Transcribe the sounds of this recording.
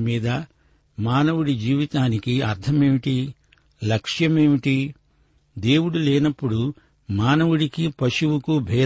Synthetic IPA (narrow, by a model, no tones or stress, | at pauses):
miːd̪ɐ | maːnɐwuɽid͡ʒiːʋit̪aːnikiɐɾt̪ʰɐme̞ːʋiʈi | lɐkʂjɐmeːʋiʈi | d̪e̞ːwuɽuleːnɐpːuɽu | maːnɐwuɽikipɐʃuwukubʱɛː